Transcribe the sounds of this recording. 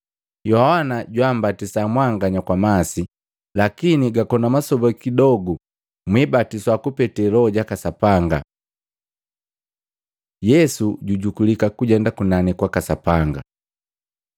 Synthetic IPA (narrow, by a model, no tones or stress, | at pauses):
jɔawanaɟwam̩batisamwaŋɡaɲakwamasi | lakiniɡakɔnamasɔbakidɔɡu | mwibatiswakupɛtɛlɔɟakasapaŋɡa̰ | jɛsuɟuɟukulikakuɟɛndakunanikwakasapaŋɡa̰